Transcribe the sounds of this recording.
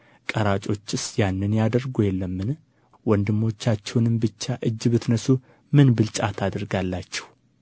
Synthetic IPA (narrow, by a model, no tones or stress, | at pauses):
kʼəɾat͡ʃʼo̞t͡ʃːɨsjanːɨnjad̪əɾɡojɛlːəmːɨn | wɔnd̪ɨmːo̞t͡ʃːat͡ʃːɛwnɨmbɨt͡ʃːaʔɨd͡ʒːbɨt̪nəsu | mɨnbɨlt͡ʃʼat̪ʰad̪əɾɡalːat͡ʃːɛ̥w